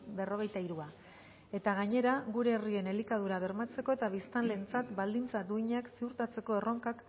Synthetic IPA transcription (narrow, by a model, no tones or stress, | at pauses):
be̞ro̞ɣ̞e̞jt̪aiɾua | e̞t̪aɣ̞aɲe̞ɾaɣuɾe̞ːrie̞ne̞likað̞uɾaβ̞e̞ɾmat͡se̞ko̞e̞t̪aβ̞ist̪anle̞ːnt͡sat̪bald̪int͡sad̪uiɲaksiuɾt̪at͡se̞ko̞e̞ro̞ŋkak